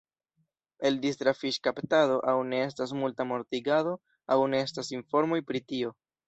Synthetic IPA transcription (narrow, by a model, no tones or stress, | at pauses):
e̞ldistɾafiʃkaptado̞ʔawne̞e̞s̬tas̬multamo̞ɾtiɡado̞ | awne̞e̞stasinfo̞ɾmo̞jpɾitio̞